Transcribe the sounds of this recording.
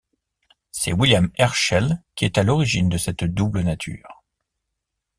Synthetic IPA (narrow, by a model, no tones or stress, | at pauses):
sɛ̰wiljamɛʁʃɛlkʲiɛt̪alɔʁiʒind̪əsɛt̪d̪ublənat̪ʰy̰ːʁ